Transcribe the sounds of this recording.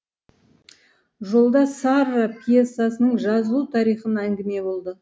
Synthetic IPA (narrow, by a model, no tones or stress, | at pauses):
ʒo̞lˠd̪ɑsɑɾapʲʰjesːasənəɴʒɑzəlˠut̪ʰɑɾijχənæŋɡʲɪme̞bo̞lˠd̪ə